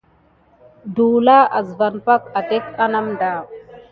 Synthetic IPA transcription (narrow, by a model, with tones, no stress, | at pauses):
duː˨la˦ʔa˨zva˨npa˦ka˨te˦ka˦na˦mɖa˨